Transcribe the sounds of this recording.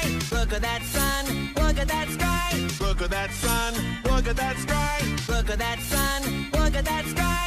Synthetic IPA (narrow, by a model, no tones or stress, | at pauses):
lʊkɨt̪̚ðɨtsʌ̃n | lʊkɨt̪̚ðɨtskaɪlʊkɨt̪̚ðɨtsʌ̃nlʊkɨt̪̚ðɨtskaɪlʊkɨt̪̚ðɨtsʌ̃nlʊkɨt̪̚ðɨtskaɪ